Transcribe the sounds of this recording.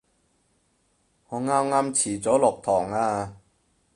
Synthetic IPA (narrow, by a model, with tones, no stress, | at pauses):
ŋɔː˨˧ŋaː˥mŋaː˥mt͡sʰiː˨˩t͡sɔː˨˥lʊ˨k̚t̪ʰɔː˨˩ŋaː˧